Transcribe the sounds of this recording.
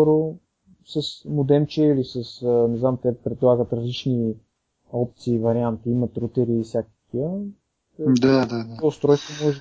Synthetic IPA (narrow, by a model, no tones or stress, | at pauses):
ɔɾo | səsmʊd̪ɛmt͡ʃɛilisəsnɛznamt̪ɛpɾɛd̪lˠaɡət̪ɾɐzlit͡ʃni | ɔp̚t̪siːvɐɾiant̪iimət̪ɾut̪ɛɾiːsʲjakə̥k̪iə | d̪ad̪ad̪aost̪ɾɔjst̪vomɔʒ